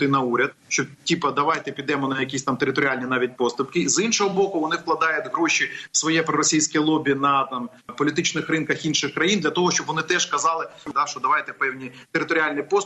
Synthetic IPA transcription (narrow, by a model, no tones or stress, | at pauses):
t̪ɪnɐuɾʲɐd̪̚ʃt͡ʃɔtʲipɐd̪ɐʋɑjt̪ɛpʲid̪ɛmʊnɐjɐkʲisʲt̪ɑmt̪eɾɪt̪ɔɾʲɪalʲnʲinɑʋʲit̚ʲpɔst̪ʊpkɪzinʃɔɦɔbɔkʊʋɔnɪwklˠɐd̪ɑjʊtʲɦɾɔʃiwsʋɔjɛpɾɔɾɔsʲijsʲkʲijlˠɔbʲinɐt̪ɑm | pɔlʲɪt̪ɪt͡ʃnɪxrɪnkɐxinʃɪxkɾɐjind̪lʲɐt̪ɔɦɔʃt͡ʃɔbʋɔnɪt̪ɛʃkɐzɑlˠɪd̪ɑʃt͡ʃɔd̪ɐʋɑjt̪ɛpɛwnʲit̪eɾɪt̪ɔɾʲɪalʲnɪjpɔs